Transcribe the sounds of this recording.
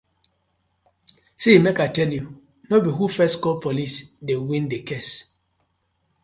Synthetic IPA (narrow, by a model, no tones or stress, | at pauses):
semɛkatɛlju | nobiɦufɛstkɔlpʰolisdewĩndekɛs